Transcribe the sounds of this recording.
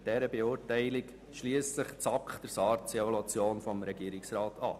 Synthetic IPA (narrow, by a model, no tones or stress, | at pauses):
d̥ɛɾəbeʊːɾtɛɪlɪk | ʃliːəsəχt͡sɑkχd̥əɾsɑːɾtt͡sɛvɔlɑt͡sjoːnfɔmɾɛɡ̥iːɾɪksrɑːtʰɑ̰ː